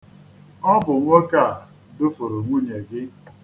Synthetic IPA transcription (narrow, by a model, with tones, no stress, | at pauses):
ɔ˦bʊ˨ŋʷo˦ka˦˨ | dʊ˦fʊ˨ɾʊ˨ŋʷu˦ɲe˨ɡɪ˦